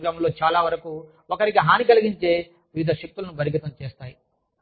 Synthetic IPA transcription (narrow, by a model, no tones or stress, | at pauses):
ɡɾɐːmɐmlo̞ːt͡ʃaːlaːʋɐɾɐku | ɔkɐɾikiɦaːnikɐliɡiɲt͡ʃe̞ː | ʋiʋid̪ʱɐʂɐk̚t̪ulɐnubɐɾiɡit̪ɐmt͡ʃeːst̪aːji